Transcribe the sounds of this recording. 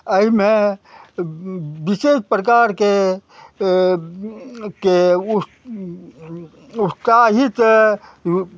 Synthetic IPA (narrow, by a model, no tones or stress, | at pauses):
əime | bisespɾəkaɾke | ke | utsaɦit̪